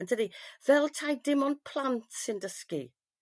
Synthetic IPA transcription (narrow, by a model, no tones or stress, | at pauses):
əndʰədivɛlˠtʰajdɪmɔnpʰl̥ˠantʰsɪndəskḭ